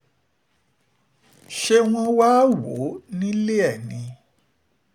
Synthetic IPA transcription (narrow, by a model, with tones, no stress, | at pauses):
ʃe˧w̃ɔ̃˧waː˦wo˨˦nĩ˦le˦ɛ˦˨nĩ˧